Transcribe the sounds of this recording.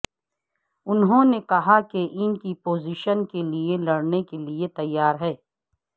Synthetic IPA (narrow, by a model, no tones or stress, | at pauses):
ʊnɦõnekɐɦakeʔɪnkipoːziʃənkelielɐɽnekeliet̪ɐjːaːɾɦɛː